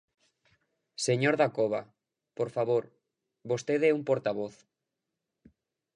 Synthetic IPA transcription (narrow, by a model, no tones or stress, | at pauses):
seɲoɾðakoβ̞a | poɾfaβoɾ | βost̪eðɛumpoɾt̪aβoθ